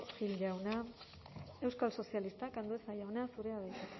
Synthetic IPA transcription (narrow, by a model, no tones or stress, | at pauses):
xilawna | e̞wskalso̞sialist̪akand̪uesajawnasuɾeaðejt̪a